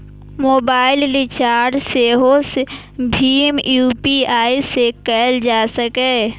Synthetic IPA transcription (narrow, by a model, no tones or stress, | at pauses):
moːbaːɪlːit͡ʃaːɾɖseɦose | bʱiːmjuːpiaːisekɛːld͡ʒaːsəkɛ